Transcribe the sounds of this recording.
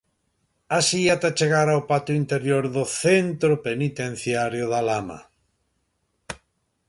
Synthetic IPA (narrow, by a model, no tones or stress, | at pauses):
asiat̪at͡ʃeɣaɾawpat̪ʊint̪eɾjoɾðʊθent̪ɾopenit̪ẽn̟θjaɾjʊðalama̰